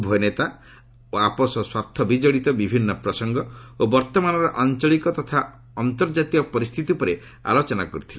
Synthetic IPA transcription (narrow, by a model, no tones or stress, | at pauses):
bʱɔjnet̪a | oapɔsɔswaɾt̪ʰːɔbid͡ʒɔɽit̪ɔbibʱinːɔpɾɔsɔŋɡɔobɔɾt̪ɔmanɔɾɔʔant͡ʃɔɭikɔt̪ɔt̪ʰa | ɔnt̪ɔɾd͡ʒat̪iɔpɔɾist̪ʰit̪ipɔɾe | a̰lɔt͡ʃɔnakɔɾit̪ʰile